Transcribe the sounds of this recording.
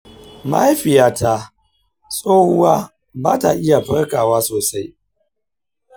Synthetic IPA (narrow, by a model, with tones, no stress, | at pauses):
ma̰˦jɸɪ˨jaː˦ta˦ | sʼoː˦hʊ˦waː˦ | baː˦ta˨ʔɪ˦ja˨ɸɐ˦rkaː˨waː˦soː˨sa˦j